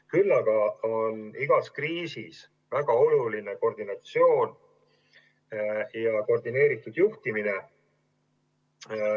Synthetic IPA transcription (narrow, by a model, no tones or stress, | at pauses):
kylːɑɡ̥ɑoniɡ̥ɑskriːsis | væɡ̥ɑo̞lulineko̞rd̪̥inɑt̪sio̞ːn | jɑko̞rd̪ine̞ːɾit̪ːˑud̪̥juht̪imine